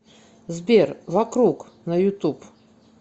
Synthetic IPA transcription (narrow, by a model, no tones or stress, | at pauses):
zbʲervɐkɾuk | nəjʊt̪up